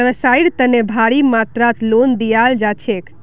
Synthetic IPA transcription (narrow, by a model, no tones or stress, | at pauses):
ɾəsaiɽt̪ənebʱaɽimat̪ɾat̪ʰlond̪ijald͡ʒat͡ʃʰek